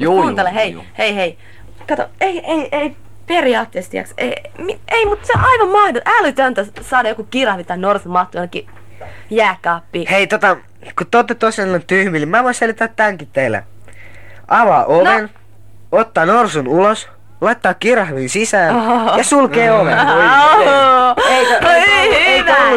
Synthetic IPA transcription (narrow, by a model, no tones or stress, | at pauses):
kuːnelehej | heihei | kɑt̪o̰eieiei | periɑːt̪ːeːst̪ḭɑ̰ksḛimieimut̪seʔɑiʋɑmmɑhdoʔælyt̪ønt̪æsɑːdɑjokukirɑhʋit̪ɑinorsumɑht̪ujɑnki | jæːkɑːpːiːheit̪ot̪ɑ | kut̪ot̪ːet̪osenːont̪yhmilimæʋoinselit̪ːæt̪tːæŋkit̪ːeilːæ̰ | ʔɑʋɑ̰ːʔonʋen | ot̪ːɑːnorsunulos | lɑit̪ːɑːkkirɑhʋiːnsisæːnjɑsulkeːoʋen | eieeiulːu